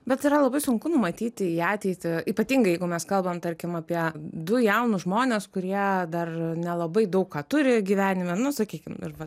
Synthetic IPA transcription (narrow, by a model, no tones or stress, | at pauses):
bʲɛt̪ɪɾɐlˠɐbɐɪsʊŋkʊnʊmɐt̪ʲiːt̪ʲɪiːɑːt̪ʲɛɪt̪ʲɪiːpɐt̪ʲiːŋɡɐɪjɛɪɡʊmʲɛskɐlˠbɐmt̪ɐɾʲkʲɪmɐpʲiɛd̪ʊjɛʊnʊʒmoːnʲeːskʊɾʲiɛd̪ɐrnʲɛlˠɐbɐɪd̪ɐʊkkɑːt̪ʊɾʲɪɡʲiːʋʲæːnʲɪmʲɛnʊsɐkʲiːkʲɪmɪ̰ɾʋɐ